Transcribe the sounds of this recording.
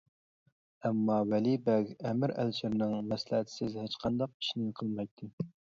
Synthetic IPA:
æmːɑwælibɛkʲɛmɪɾæ̰lt͡ʃʰɪɾnɨŋmɛslɪɦɪt̪ʰɪ̥sɪzhæt͡ʃqʰɑnd̪ɑq̚i̥ʃnɪqʰəlˠmɑjt̪ʰːɪ

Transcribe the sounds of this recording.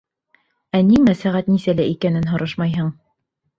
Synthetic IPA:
æniŋmæsæʁæt̪nisælæʔikænɘnɦŏɾɤʃmɑjɦɤɴ

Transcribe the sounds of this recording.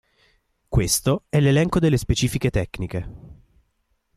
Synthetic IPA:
kwest̪oɛlːelɛŋkod̪elːespet͡ʃiːfiket̪ɛkːnike

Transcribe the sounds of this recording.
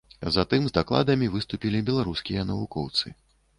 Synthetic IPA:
zat̪ɨmzd̪aklˠa̰d̪ɐmʲivɨst̪upʲilʲibʲɛlˠaɾuskʲijɐnɐvukɔwt̪sɨ

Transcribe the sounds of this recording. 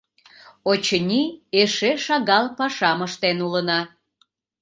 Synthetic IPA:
ot͡ɕənʲieʃeʃɑɣɑlpɑʃɑməʃt̪enulənɑ

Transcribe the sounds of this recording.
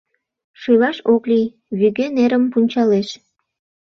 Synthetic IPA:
ʃujlɑʃoklij | βyɣøneɾəmpunʲt͡ɕɑleʃ

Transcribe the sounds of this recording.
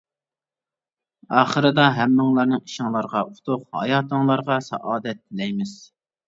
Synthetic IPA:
ɑːχəɾɨd̪ɑɦɛmːɨŋlˠɑɾnɨŋiʃɪŋlˠɑɾʁɑʔut̪ʰʊqhɑ̰jɑːt̪ʰəŋlˠɑɾʁɑsɑ̰ʔɑːd̪ɛt̪̚ːɪlɛjmɪz̥

